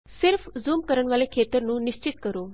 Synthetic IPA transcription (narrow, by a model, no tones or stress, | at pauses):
siɾfd͡zuːmkəɾəɳʋalekʰet̪əɾnũːniɕt͡ɕit̪kəɾuː